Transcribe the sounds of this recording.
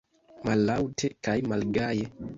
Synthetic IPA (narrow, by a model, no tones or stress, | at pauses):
malːawtʰekajmalɡaje